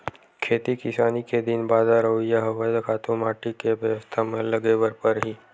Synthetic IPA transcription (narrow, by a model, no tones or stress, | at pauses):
kʰeːt̪ikɪsaːniked̪ɪnbaːd̪aɾəɦuijaɦɐʋəd̪kʰaːt̪ũmaːʈikeʋjəʋəst̪ʰamẽlɐɡebəɾpəɾɦiː